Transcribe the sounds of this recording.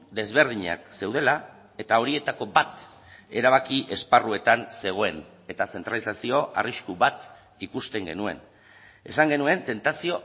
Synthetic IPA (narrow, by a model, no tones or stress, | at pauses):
d̪e̞zβe̞ɾð̞iɲa̰kse̞wð̞e̞la | e̞t̪ao̞ɾie̞t̪ako̞bat̪ | e̞ɾaβ̞akiʔe̞sparue̞t̪anse̞ɣ̞o̞e̞n | e̞t̪ase̞nt̪ɾalisasio̞ʔa̰riskuβat̪ | ikust̪e̞ŋɡe̞̰nue̞̰n | e̞̰saŋɡe̞nue̞nt̪e̞nt̪asio̞